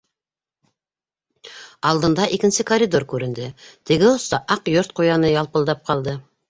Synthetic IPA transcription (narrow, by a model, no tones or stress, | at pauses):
ɑlˠd̪ɤ̆nd̪ɑʔikɘ̆nsɘkɐɾʲid̪o̞rkʉɾɘ̆nd̪ɘt̪ɘ̆ɡɘŏst̪ɑʔɑqjoɾt̪̚qujɑnɤjɑlˠpɤ̆lˠd̪ɑp̚qɑlˠd̪ɤ